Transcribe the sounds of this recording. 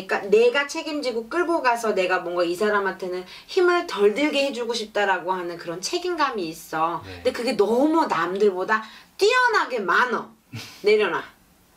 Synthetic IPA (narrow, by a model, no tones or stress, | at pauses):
k͈ane̞ɡat͡ɕʰe̞ɡimd͡ʑiɡok͈ɯɭɡoɡasʰʌne̞ɡamwʌŋɡaisʰaɾamantʰe̞nɯn | çimɯɭtʌɭdɯɭɡe̞he̞d͡ʑuɡoɕʰip̚t͈aɾaɡoɦanɯnkɯɾʌnt͡ɕʰe̞ɡinɡamiːs͈ʌndekɯɡe̞nʌmunamdɯɭbodat͈iʌnɦaɡe̞manʌ | ne̞ɾjʌna̰